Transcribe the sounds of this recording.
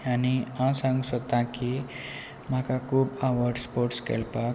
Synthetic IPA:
janiãsə̃ŋɡsət̪ãki | m̤ãkakʰubawəɾɖspoɾʈskḛlpa

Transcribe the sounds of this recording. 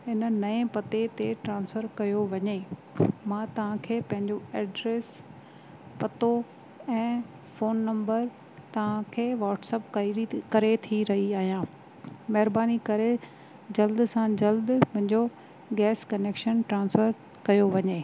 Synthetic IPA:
ɦɪnnɐẽpɐt̪et̪eʈɾãːnsfəɾkɐjoʋɐɲemãːt̪ɐʋ̤ãkʰeːpɐ̃ɦɪ̃ɲd͡ʑoɛːɖɾeːs | pɐt̪o | ɛ̃ː | foːnːɐ̃mbəɾ | t̪ɐʋ̤ãkʰeːʋaːʈseːp̚kɐikɐɾet̪ʰiɾɐɦiaːɦijãː | mɐɦɪɾbaːnikɐɾe | d͡ʑɐld̪sãd͡ʑɐld̪pɐ̃ɦɪ̃ɲd͡ʑo | ɡɛːskɐneːkʃənʈɾãːnsfəɾ | kɐjoʋɐɲeː

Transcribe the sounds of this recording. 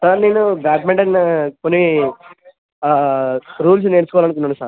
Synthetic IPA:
saɾne̞ːnubaːk̚meɳʈɐnkonːi | ɾuːls̬neːɽt͡ʃukɔːʋːlɐnuk̬unːaːnusa̰ː

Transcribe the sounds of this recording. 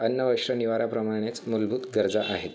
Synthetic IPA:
ənːəʋəɕɾəniʋaɾapɾəmaɽ̃et͡smulbʱuːt̪ɡəɾd͡zaʔaɦet̪

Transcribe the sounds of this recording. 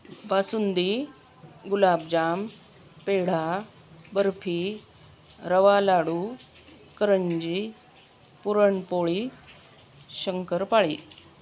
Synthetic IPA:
basund̪i | ɡulabd͡ʑam | peɽ̤a | bəɾpʰi | ɾəʋalaɽu | kəɾəɲd͡ʑi | puɾəɳpoɭi | ɕəŋkəɾpaɭiː

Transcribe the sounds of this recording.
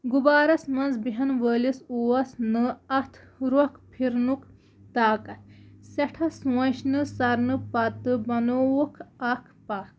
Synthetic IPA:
ɡubaːɾɐsmɐnzbiɦɐnʋəːlisoːɐsnɨɐt̪ʰ | ɾɐkʰpʰiɾnuk | t̪aːkɐt̪sɐʈʰɐsuɐ̃ʃnɨsɐɾnɨpɐt̪ɨbɐnowukʰɐkʰpak

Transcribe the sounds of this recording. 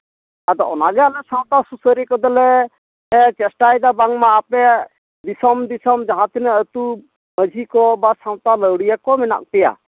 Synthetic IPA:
ad̪ɔɔnaɡɛalɛsãw̃t̪asusəɾikɔd̪ɛlɛ | ɛt͡ʃɛsʈajd̪abaŋmaːpɛ | d̪isɔmd̪isɔmd͡ʒaɦãt̪inɛət̪u | məd͡ʒʱikɔbasãw̃t̪aləwɽijakɔmɛna̰k̚t̪ɛja̰

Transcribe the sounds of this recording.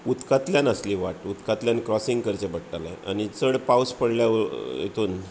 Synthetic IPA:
ut̪kat̪ljanəsliʋaʈut̪kat̪ljankɾɔsiŋɡkəɾt͡ɕebəɽʈala̰a̰ñit͡səɽpawspəɽljajḛt̪ʰuːn

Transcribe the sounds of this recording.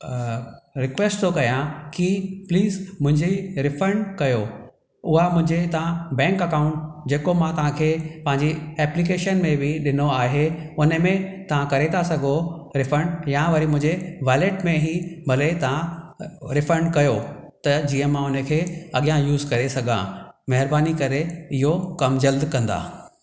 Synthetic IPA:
ɾɪkʋesʈt̪ʰokɐjãkipliːzmʊ̃ɦɪ̃ɲd͡ʑeɾɪfəɾɳɖkɐjo | ʊɦamʊ̃ɦɪ̃ɲd͡ʑet̪ɐʋ̤ãbɛ̃ːŋkɐkaʊ̃ɳʈd͡ʑeːkomãt̪ɐʋ̤ãkʰeːpɐ̃ɦɪ̃ɲd͡ʑiɛːplik̬eːʃənmẽbɪɗɪnoaːɦeʊnəmẽt̪ɐʋ̤ãkɐɾet̪ʰasɐɡʱoɾɪfəɳɖjãʋɐɾimʊ̃ɦɪ̃ɲd͡ʑeʋaːɪleʈmẽɦibʱɐlet̪ɐʋãɾɪfəɳɖkɐjot̪ɐd͡ʑiːə̃mãʊnə̆kʰeːɐɠijãjuːzkɐɾesɐɡʱã̰mɐɦɪɾbaːnikɐɾeɪɦokɐmd͡ʑɐld̪kɐ̃nd̪a̰ː

